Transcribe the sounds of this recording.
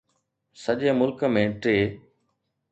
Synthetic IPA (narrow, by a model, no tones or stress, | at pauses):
səʄeːmʊlkəmẽːʈeː